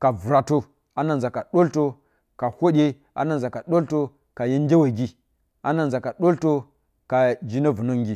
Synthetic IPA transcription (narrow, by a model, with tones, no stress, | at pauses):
ka˨vu˨ɾa˨to˦ | a˨na˦˨nza˨ka˨ɗo˦lto˦ | ka˨hʷo˦ɗʲe˦ | a̰˨na˦˨nza˨ka˨ɗo˦lto˦ | ka˨je˦n˦dʲe˦we˨ɡi˦ | a˨na˨nza˨ka˨ɗo˦lto˦ | ka˨d͡ʒi˦na˦vu˨no˦ŋɡʲi˦